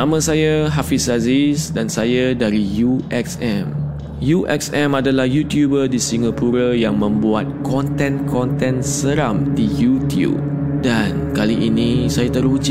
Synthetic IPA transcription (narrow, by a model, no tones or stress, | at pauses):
ãmə̃sajəɦafisazisdãnsajadaɾijuʔɛksɛ̃m | juʔɛ̰ksɛ̃madəlahjut̪jubədisiŋapuɾajãŋmə̃mbuat̪̚kɔ̃nt̪ɛ̃nkʰɔ̃nt̪ɛ̃nsəɾãmdijut̪jṵp̚ | dãnkaliʔinisajat̪əɾud͡ʒi